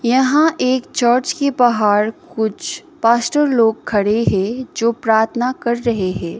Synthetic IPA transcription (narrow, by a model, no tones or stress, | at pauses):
jɐɦãʔeːkt͡ʃəːɾt͡ʃkepɐɦaːɾkʊt͡ʃʰ | paːsʈəɾloːɡ̚kʰːɐɽeɦɛ̃d͡ʒoːpɾaːɾt̪ʰnakɐɾːɐɦeɦɛ̃ː